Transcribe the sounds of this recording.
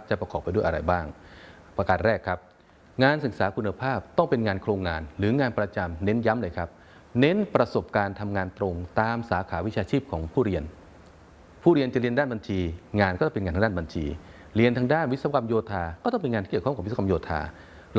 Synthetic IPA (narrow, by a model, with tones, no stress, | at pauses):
t͡ɕa˨˩pɾa˧kɔː˨˩pːa˧jdu˥˩˨ʔa˧ɾa˧jbaː˥˩ŋ | pɾa˧kaː˨˩t̪̚ɾɛː˥˩kʰɾa˦˥p̚ | ŋaː˧nsɯ˨˩k̚saː˩˦kʰu˧nːa˧pʰaː˥˩p̚t̪ɔ˥˩ŋpe˧nŋaː˧nkʰɾoː˧ŋːaː˧nɾɯː˩˦ŋaː˧npɾa˧t͡ɕa˧mne˦˥nja˦˥mlɤː˧jkʰa˦˥p̚ | ne˦˥npɾa˧so˨˩p̚kaː˧nt̪ʰa˧mŋaː˧nt̪ɾo˧ŋt̪aː˧msaː˩˦kʰaː˩˦wi˦˥t͡ɕʰaː˧t͡ɕʰiː˥˩p̚kʰɔː˩˦ŋpʰuː˥˩ɾi˧ən | pʰuː˥˩ɾi˧ənt͡ɕa˨˩ɾi˧əndaː˥˩nba˧nt͡ɕʰiː˧ŋaː˧nkɔː˥˩t͡ɕa˩pnaː˧nʰa˧daː˥˩˨ba˧nt͡ɕʰḭː˧ | ɾi˧ənt̪ʰa˧ŋdaː˥˩nwi˦˥sa˧ka˧mjoː˧t̪ʰaː˧kɔː˥˩t̪ɔ˥˩ŋpe˧na˧t̪iː˥˨˩kʰːk̚ːska˧mjoː˧t̪ʰa̰ː˧ | l